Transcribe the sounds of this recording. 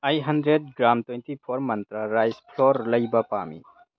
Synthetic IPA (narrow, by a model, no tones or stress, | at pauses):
ɐjɦɐndɾed̚ɡɾamtwentipʰoɾmɐntɾɐɾajspʰloɾlɐjbɐpa̰mḭ